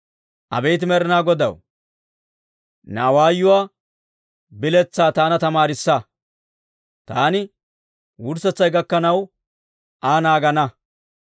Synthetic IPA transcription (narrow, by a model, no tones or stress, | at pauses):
ʔɐ̰bɛjt̪̬ɪmɛɾɪnaːɡɔd̪ɐ̰w | naːwaːjːʊwaː | bɪlɛt͡sːaːt̪aːnɐt̪ɐmaːɾɪsːɐ | t̪aːnɪ | wʊɾsɛt͡sːɐjɡɐkːɐnɐw | ʔaːnaːɡɐnɐ